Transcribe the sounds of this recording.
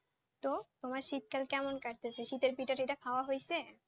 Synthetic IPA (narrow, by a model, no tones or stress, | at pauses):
t̪ot̪omaɾʃit̪̚kalkɛmonkaɾt̪ʰesʰeʃit̪eɾpiʈaʈejʈakʰaoaɦojsʰe